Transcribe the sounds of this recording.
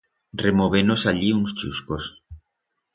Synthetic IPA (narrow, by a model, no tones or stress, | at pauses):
remoβ̞enosaʎiuŋst͡ʃuskos